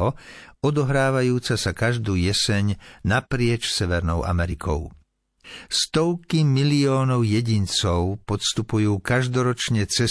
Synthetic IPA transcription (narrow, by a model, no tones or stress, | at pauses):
ɔɔd̪ɔɦɾaːʋajuːt͡sasakaʒd̪uːjɛsɛɲnapɾɪɛt͡ʃsɛʋɛɾnɔʊʔa̰mɛɾikʰɔ̰ʊ | st̪ɔʊkimiliɔːnɔʊjɛɟint͡sɔʊpɔt̪st̪upujuːkaʒd̪ɔɾɔt͡ʃɲɛt͡sɛ